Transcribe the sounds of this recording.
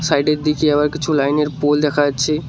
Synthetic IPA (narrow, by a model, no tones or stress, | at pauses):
sajɖeɾd̪ikiɐbaɾkɪt͡ɕʰulajneɾpold̪ɛkʰaat͡ʃʰe